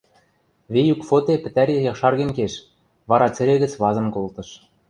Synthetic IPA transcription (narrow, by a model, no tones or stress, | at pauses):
βejukfot̪epɘ̆t̪æɾejɑχʃɑrɣɘ̆nkeʃ | βɑɾɑt͡sɘ̆ɾĕɣɘ̆t͡sβɑzɤ̆mkolt̪ɤ̆ʃ